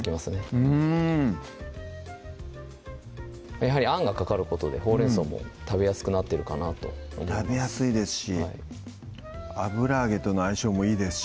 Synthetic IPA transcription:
kʲimasɨneɯ̃ | majaɦaɾʲiãŋɡakakaɾɯ̟ko̞t̪o̞d̪e̞ho̞ːɾe̞ɰso̞ːmo̰t̪abe̞jasɨ̥kɯ̟nat̪ːe̞ɾɯ̟kanat̪o̞̰omoabe̞jasɨid̪e̞sɨ̥ɕiaḭ | abɯ̟ɾaːɡe̞t̪ːo̞noaiɕo̞ːmo̞iːd̪e̞sɨ̥

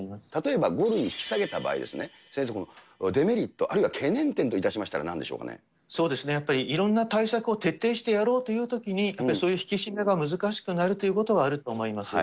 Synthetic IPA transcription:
imasɨ̥t̪at̪o̞e̞baɡo̞ɾɯ̟ɲ̟ikʲi̥saɡe̞t̪aba̰ːḭd̪e̞sɨne | sẽs̬ekono | d̪e̞me̞ɾʲit̪ːo̞ʔaɾɯ̟iβakʰe̞nẽ̞nt̪ẽnt̪oit̪aɕimaɕi̥t̪aɾa̰nãnd̪e̞ɕo̞̰ːka̰nḛ | so̞ːd̪e̞sɨne̞japːaɾʲiʔiɾõ̞nːat̪aisakɯ̟o̞t̪e̞t̪ːe̞ːɕi̥t̪e̞jaɾo̞ːt̪o̞jɯ̟ːt̪o̞kʲiɲ̟ijapːaɾiso̞ːjɯ̟çi̥kʲiɕimaɡamɯ̟zɨkaɕi̥kɯ̟naɾɯ̟t̪o̞jɯ̟ko̞t̪o̞βaːɾɯ̟t̪o̞ːmo̞imasɨ̰

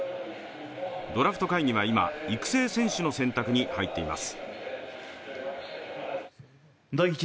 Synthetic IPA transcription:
d̪o̞ɾaɸɯ̟̥t̪o̞kaiɲ̟iβ̞aima̰ikɯ̟̥se̞ːsẽ̞ɰ̃ɕɨno̞sẽ̞nt̪akɯ̟ɲ̟ihait̪ːe̞ḭma̰sɨ̥ | d̪oit͡ɕ

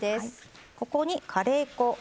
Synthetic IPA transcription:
es | ko̞koɲ̟ikʰaɾe̞ːko̞

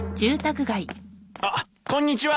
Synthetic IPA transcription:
d͡ʑɨːt̪akɯ̟ɡaia | kõ̞ɲ̟ːit͡ɕiβa

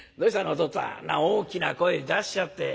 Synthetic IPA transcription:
d̪oːɕit̪anot̪osã̰na̰oːkʲina̰ko̞ed̪aɕi̥t͡ɕat̪ːe̞

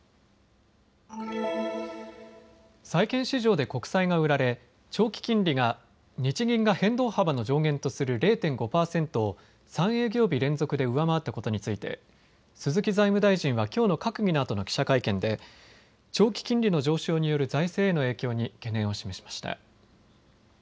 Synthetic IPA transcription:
saikẽ̞ɰ̃ɕiʑo̞ːd̪e̞ko̞kɯ̟̥saiŋaɯ̟ɾaɾe̞ | t͡ɕo̞ːkʲi̥kʲĩnɾʲiŋa | ɲ̟it͡ɕiɡʲĩŋɡahẽ̞nd̪o̞ːhabano̞d͡ʑo̞ːɡẽ̞nt̪o̞sɨɾɯ̟ɾe̞ːt̪ẽ̞ŋɡo̞paːsẽ̞nt̪o̞ː | sãɰ̃e̞ːɡʲo̞ːbʲiɾẽ̞nd͡zo̞kɯ̟d̪e̞ɯ̟βamaat̪ːako̞t̪o̞ɲ̟it͡sɨit̪e̞̰ | sɨzɨkʲizaimɯ̟d̪aiʑĩɰ̃βakʲo̞ːno̞kakɯ̟ɡʲinoːt̪o̞no̞kʲi̥ɕakaikẽ̞nd̪e̞ | t͡ɕo̞ːkʲi̥kʲĩnɾʲino̞d͡ʑo̞ːɕo̞ːɲ̟ijo̞ɾɯ̟zaise̞ːno̞e̞ːkʲo̞ːɲ̟ike̞nẽ̞ɰ̃o̞ɕime̞ɕi̥mḁɕi̥t̪a̰

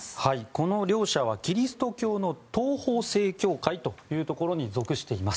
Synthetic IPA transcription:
haiko̞no̞ɾʲo̞ːɕaβakʲiɾʲisɨ̥t̪o̞kʲo̞ːno̞t̪o̞ːho̞ːse̞ːkʲo̞ːkait̪o̞jɯ̟ːt̪o̞ko̞ɾo̞ɲ̟izo̞kɯ̟ɕi̥t̪e̞imasɨ̥

